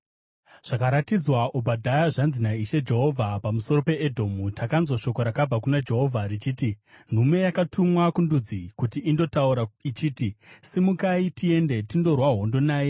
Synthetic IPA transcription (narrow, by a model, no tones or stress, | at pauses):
ʐ̥akaɾatid͡zwaʔubʱadʱajaʐanzinaiʃe̞d͡ʒe̞ɦo̞vʱapamuso̞ro̞pe̞edʱo̞mutʰakanzwoʃo̞ko̞ɾakab͡vak̬unad͡ʒe̞ɦo̞vʱarit͡ʃiːtin̤ume̞jakatʰumwakundud͡zikutiːndo̞tauɾait͡ʃiːtisimukaitie̞nde̞tindo̞rwaɦo̞ndo̞naːje